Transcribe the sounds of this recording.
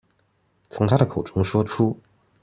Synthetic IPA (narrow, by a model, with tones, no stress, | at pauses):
t͡sʰʊ˧˥ŋt̪ʰa˥ɾə˨kʰo˨˩ʊʈ͡ʂʊ˧˥ŋʂwɔ˥ʈ͡ʂʰu˥